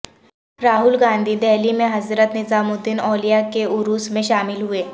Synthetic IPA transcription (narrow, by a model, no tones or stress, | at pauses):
ɾaːɦʊlɡãːnd̪ʱid̪ɛɦlimẽɦɐzɾət̪nɪzaːmʊd̪ɪnɔːlijakeʊɾuːsmẽʃaːmɪlɦueː